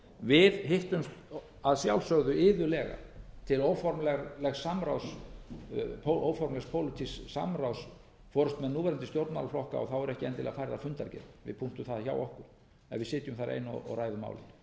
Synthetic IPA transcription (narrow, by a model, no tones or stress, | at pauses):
vɪðɦɪht̪ʏmst̪ | aðsjawlsœɣðʏɪːðʏlɛːɣa̰t̪ʰɪlowfɔɾmlɛɣlɛɣsamɾaws | oʔowfɔɾmlɛxspʰowlɪt̪ʰissa̰mɾaws | fɔːɾʏst̪mɛðnuːvɛɾant̪ɪst̪jowɾt̪mawlaflɔhka̰ɔɣθawɛɾɛhcɪɛnt̪ɪlɛ̰ɣafaːɾɪðafʏnt̪aɾcɛ̰nvɪ̰ðpʰum̥t̪ʏθaðça̰wɔhkʏɾ̥ | ɛ̰nvɪðsɪːt̪jʏmθaɾʔḛːjnɔ̰ɔ̰ɣraːjðʏma̰wlɪ̰n